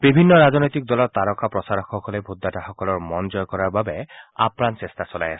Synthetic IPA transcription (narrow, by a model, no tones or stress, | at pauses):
bibʱinːɔɹaznɔjt̪ik̚d̪ɔlɔɹt̪aɾɔkʰapɹɔsaɾɔxɔkɔlebʱud̪ːataxɔkɔlɔɹmɔnd͡ʒɔjkɔɹaɹbabɛa̰pnansest̪asɔla̰ja̰sɛ̥